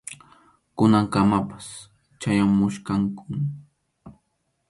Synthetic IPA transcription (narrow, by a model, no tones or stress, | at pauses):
kʊnaŋkamapḁs | t͡ʃajamʊʃkaŋkʊ